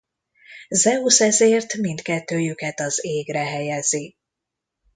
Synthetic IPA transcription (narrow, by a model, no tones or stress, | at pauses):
zɛusɛzeːrt̪mint̪kɛt̪ːøːjykɛt̪ɒzeːɡɾɛɦɛjɛzi